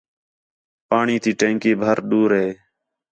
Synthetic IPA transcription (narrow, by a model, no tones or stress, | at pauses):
paːɳiːt̪iːʈẽːŋkiːbʱəɾɗuːɾɦeː